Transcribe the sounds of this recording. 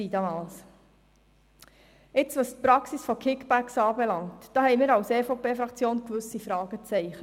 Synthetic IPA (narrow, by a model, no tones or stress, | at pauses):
iːdɑmɑːls | ɪt͡sʋɑstpɾɑksisfɔkʰɪkbæksɑːbɛlɑŋtd̥ɑːhɛɪmiːɾɑwseːfopeːfɾɑkt͡sjoːnkʋɵsifɾɑːɡ̥ət͡sɛɪχ